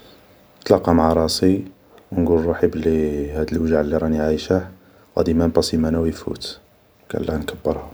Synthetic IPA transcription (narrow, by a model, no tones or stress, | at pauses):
t̪lɑqːɑmaʕaɾˤɑsˤi | wnɡulɾuħiblihæd̪əlwəʒaʕəlːiɾˤɑniʕiʃaħ | ɣæ̰d̪imænbɑsˤimænæwifṵt̪ | kæ̰lːænkəbːəɾˤʊ